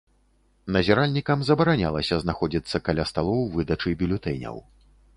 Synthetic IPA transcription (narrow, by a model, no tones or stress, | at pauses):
nɐzʲɛɾalʲnʲikɐmzɐbɐɾanʲa̰lˠɐsʲɐznaxɔd͡zʲit̪sːɐkalʲast̪alˠɔwvɨd̪ɐt͡ʂɨbʲulʲut̪ɛjnʲɐ̰w